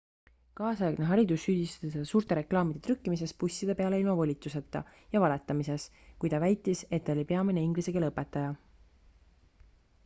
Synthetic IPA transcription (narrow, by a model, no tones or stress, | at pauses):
kɑːsɑjɑɡneɦɑɾid̪usːyːd̪̥ist̪ɑ̥t̪essuːɾt̪e̞ɾe̞klɑːmid̪̥e̞t̪ʰɾykːimis̬e̞spusʲːid̪̥e̞pe̞ɑleilmɑvolʲit̪ːˑuse̞t̪ːˑɑ̰ | jɑvɑle̞t̪ˑːɑmise̞s | kujt̪ɑvæjt̪ˑːise̞t̪ːˑolʲipe̞ɑmineiŋɡlisekelɤpːe̞t̪ːˑɑjɑ